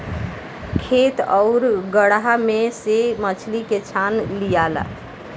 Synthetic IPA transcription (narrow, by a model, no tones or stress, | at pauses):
kʰet̪ɔʊɾɡəɽɦamesemət͡ʃʰliket͡ʃʰanlijala̰